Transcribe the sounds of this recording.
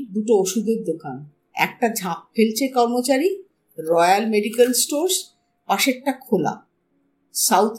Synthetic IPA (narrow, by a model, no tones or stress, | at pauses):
d̪uʈooʃud̪eɾd̪okan | ɛ̰k̚ʈad͡ʑʱap̚felt͡ɕʰekɔɾmot͡ɕaɾi | ɾɔjealmeɖikelsʈoɾs | paʃekʈakʰola̰ | sawt̪ʰ